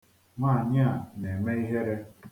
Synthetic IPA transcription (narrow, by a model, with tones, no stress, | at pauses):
ŋʷa˦˨ɲ˦a˨ne˨me˦i˦ɦe˦ɾe˦